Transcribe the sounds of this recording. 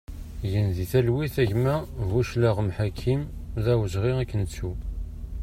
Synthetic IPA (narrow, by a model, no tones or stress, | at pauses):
ʝənðiθælwiθæʝmævuʃləʁmħakʰːimðæwəʒʁiʁækːənət͡sːu